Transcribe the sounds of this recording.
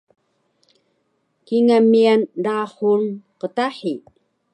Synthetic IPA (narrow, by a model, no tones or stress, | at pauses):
kiŋamiandaχunqət̪aħi